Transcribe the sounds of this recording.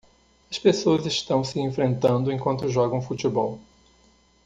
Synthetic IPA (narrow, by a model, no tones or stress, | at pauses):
ɐspesoɐzɪʃt̪ɐ̃w̃sɪẽfɾẽnt̪ɐ̃nd̪ʊẽkwɐ̃nt̪ʊʒɔɡɐ̃w̃fut͡ʃ̪ibɔw